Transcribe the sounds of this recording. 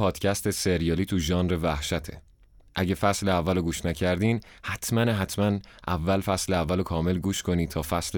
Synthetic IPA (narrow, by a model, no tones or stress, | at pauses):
ɒːd̪̥cʰæst̪ʰeseɾijɒːliːt̪ʰuʒɒːnrevæhʃæt̪ʰe̞̰ | ʔæɟe̞fæsleævːæloɡuːʃnæcʰæɾd̪iːnhæt̪ʰmænɦæt̪ʰmænʔævːælfæsleævːælokʰɒːme̞lɡuːʃkʰo̞niːt̪ʰɒːfæsle